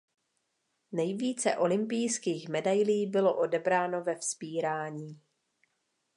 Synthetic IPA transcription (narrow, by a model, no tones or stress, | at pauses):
nɛjviːt͡sɛ̰ʔo̞lɪmpɪjskiːxmɛdajliːbɪlo̞ʔo̞dɛbɾaːno̞vɛfspiːɾaːɲiː